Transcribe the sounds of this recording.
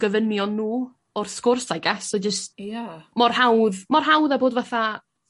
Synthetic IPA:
ɡ̥əvənjɔnːuː | ɔrskʊrsajɡɛsɔd͡ʒəstjamɔrhawðmɔrɦawðaboːdvaθa

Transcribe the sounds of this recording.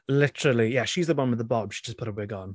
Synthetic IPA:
lɪtʰəɹəlˠijɛʃizðəwʌ̃nwɪðəbɒb̥ʃi̥d͡ʒʌspʰʊɾəwɪɡə̃n

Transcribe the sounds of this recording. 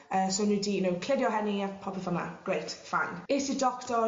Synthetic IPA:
əːsownudijnowkʰlɪdjɔɦɛnipʰɔpəfənə̰ɡ̥ɹejtfa̰nɪsidɔktɔ

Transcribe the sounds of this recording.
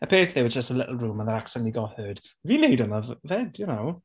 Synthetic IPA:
əpʰɪɹɪθðɪwədd͡ʒəstəlɪ̰ʔl̩ˠɹuːmənðəɾaksɛniɡɔhɜːd̥ | viːnejdənəvvɛdjənow

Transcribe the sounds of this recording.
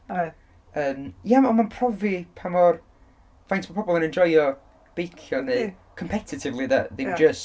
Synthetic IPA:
əːmjamɔnmanpʰr̥ɔvipʰamɔr | vajntʰpʰɔpʰɔbɔlˠənɛnd͡ʒɔjɔ | b̥ejkʰjɔneː | kʰɔmpʰɛtʰɪtʰɪvlˠiðaðemd͡ʒəs

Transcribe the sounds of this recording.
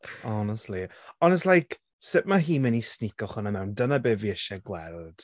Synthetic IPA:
ɔnəstˡliɔnɛslˠajk | sɪʔ̚maɦiːmɛnisnɪkɔχʊnamɛwndənabeːviəʃɛɡwɛlˠd̥

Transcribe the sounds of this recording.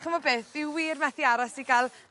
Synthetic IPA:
kəmɔbeːθɪwwiːrmɛθiaɾasiɡalˠ

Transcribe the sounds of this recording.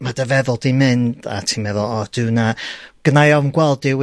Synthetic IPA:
madəvɛðʊlˠdimɨnd̥a̰tʰimɛðɔlˠɔd̥ɨwnaɡ̥ənajɔnɡwɛlˠdɪw

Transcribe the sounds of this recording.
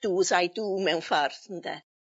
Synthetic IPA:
d̥uːsajduːmɛwnfarθən̩dɛ

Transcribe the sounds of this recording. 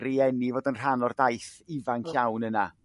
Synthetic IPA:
ɾiɛnivoːdənr̥anɔrdajθivanɬawnəna

